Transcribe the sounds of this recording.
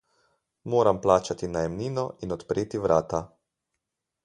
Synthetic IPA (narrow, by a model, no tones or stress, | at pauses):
moːɾamplaːt͡ʃat̪inajɛmniːnɔinɔt̪pɾeːt̪iʋɾaːt̪a